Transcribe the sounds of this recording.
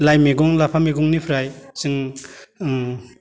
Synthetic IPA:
lajmeɡɔŋlapʰameɡɔŋnipʰɾajsɯŋ

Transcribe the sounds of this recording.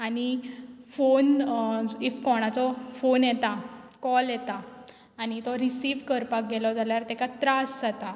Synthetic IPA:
anifon | ifkɔɽ̃at͡sɔfonjɛt̪akɔljɛt̪aː | ñit̪ɔɾisiʋkəɾpak̚ɡɛlɔd͡zaljaɾt̪ɛkat̪ɾasd͡zat̪a

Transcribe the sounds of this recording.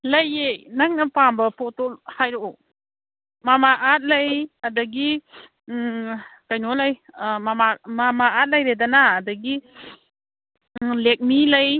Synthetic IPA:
lɐjenaŋnɐpambɐpɔtolhajɾoɔ | mamaʔat̚lajadaɡi | kajnolajmamamamaat̚lajɾedanaːdaɡi | lek̚milaj

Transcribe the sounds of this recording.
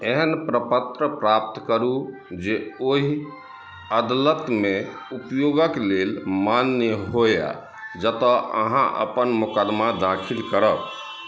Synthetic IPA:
eɦənpɾəpət̪ɾəpɾap̚t̪kəɾu | d͡ʒeoɦi | əd̪lət̪me | upjoɡəklelmanːəɦoja̰ | d͡ʒət̪ɔə̰ɦã̰ʔə̰pənmukəd̪mad̪akʰilkəɾəb

